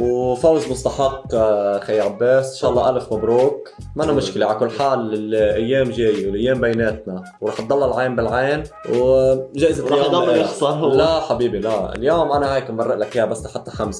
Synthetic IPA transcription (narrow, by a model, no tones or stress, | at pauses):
wfawzmʊst̪ɑħɑqːxajːʕabːeːsʔnʃɑːʔɑlˤːɑːʔalfmabɾuːk | manːamʊʃkɪleʕalakʊlːħaːlɪlʔajːeːmʒeːjiwɪlʔajːeːmbajneːt̪na | wɾˤɑːħt̪̚d̪ˤɑlːɑlʕeːmbɪlʕeːnwʒaːʔɪzat̪lːjomdxˤɑlaħabiːbilaɪ̰ljoːmʔanaheːkmbɑrˤːɪʔlakiːabasːlaħat̪ːḁxams